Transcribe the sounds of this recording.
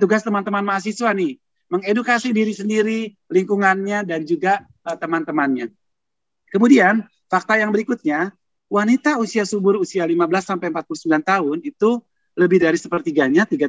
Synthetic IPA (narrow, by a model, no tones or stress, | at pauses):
t̪uɡast̪əmant̪əmanmaːs̬isuwanɪ | məŋedukasidiɾisəndiɾi | liŋkuŋanɲadand͡ʒuɡa | ət̪əmant̪əmanɲa | kəmudian | fak̚t̪ajaŋbəɾikut̪̚ɲa | wanit̪ausiasubʊɾusialimabəlasːampajəmpat̪̚pulusəmbilant̪aɦʊnit̪u | ləbɪhdaɾisəpərt̪iɡaɲat̪iɡa